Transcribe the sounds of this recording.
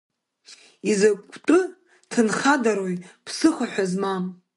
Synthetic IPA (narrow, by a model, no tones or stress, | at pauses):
izakʷʼʰtʼɨ | tʰɨnχadaɾojpʰsɨχaħʷᶣazmam